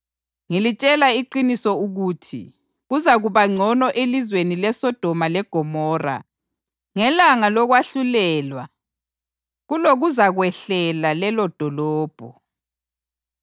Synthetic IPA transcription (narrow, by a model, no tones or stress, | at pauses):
ŋilit͡ʃʼɛlaiǃinisɔuɣuːtʰḭ | ɣuzaɣuβaŋ͡ǀʱɔnɔʔelizwenilɛsɔd̥ʱɔmalɛɡ̥ʱɔmɔːra̰ | ŋɛlaŋalɔɣwaɬulɛːlwa | ɣuloɣuzaɣwɛɬɛlalɛlɔd̥ʱɔlɔːb̥ʱɔ